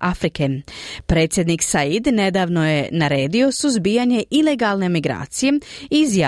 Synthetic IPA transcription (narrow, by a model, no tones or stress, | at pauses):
afɾikepɾe̞t̪sjed̪niksaid̪ne̞d̪aːʋno̞je̞naɾe̞ːd̪io̞suzbijaɲe̞ʔileɡaːlˠnemiɡɾa̰ːt̪sije̞izja